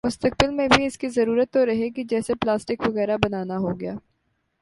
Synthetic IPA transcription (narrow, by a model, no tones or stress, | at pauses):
mʊst̪ək̚bɪlmẽbʱiɪskizɐɾuːɾət̪ːoɾɐɦeɡid͡ʒɛːseplaːsʈɪkʋɐɣɛːɾabɐnaːnaɦoɡɪjaː